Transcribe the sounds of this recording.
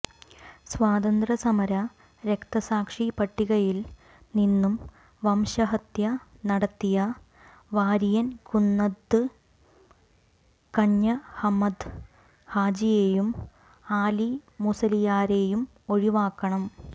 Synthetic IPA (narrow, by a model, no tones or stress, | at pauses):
sʋaːd̪ɐnd̪rɐsɐmɐɾɐ | ɾe̞kt̪ɐsaːkʂipɐʈːiɣɐjil | ninːum | ʋɐmɕɐɦɐt̪jɐnɐɽɐt̪ːijɐ | ʋaːɾijɐnkunːɐd̪ːɨ | kɐɲːɐhɐmɐd̪ | haːd͡ʑijeːjum | aːlimusɐlijaːɾe̞ːjum | o̞ɻiʋaːkːɐɳɐm